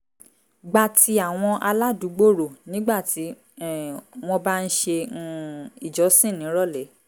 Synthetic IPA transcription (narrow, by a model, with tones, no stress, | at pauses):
ɡ͡ba˨ti˧a˦˨w̃ɔ̃˧ʔa˧la˦du˨˦ɡ͡bo˦˨ɾo˨nĩ˦ɡ͡ba˦˨ti˨˦˨ | w̃ɔ̃˧ba˦n̩˦ʃe˧ | i˦˨d͡ʒɔ˨˦sĩ˦˨nĩ˨˦ɾɔ˦˨lɛ˨˦